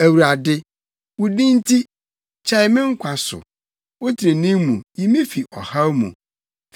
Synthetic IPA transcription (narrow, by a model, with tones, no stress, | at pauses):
æ˨wu˨ɾa˨dɪ˦ | wʊ˨dĩ˦n˦tʰi˦ | t͡ɕʰɛ˦ɪ˨˦mɪ̃˦ŋ̩˦kʷʰa˨sʊ̰˨ | wo˦tʰi˨ɾe˨nĩ˦mmũ˨ji˨mɪ̃˦fi˨ʔɔ˨ha˦mṵ̃˨